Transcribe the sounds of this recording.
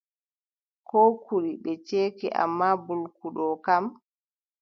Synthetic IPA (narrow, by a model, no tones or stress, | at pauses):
kɔːkuɾiɓɛt͡ʃeːkḭʔa̰mːabulkuɗɔkam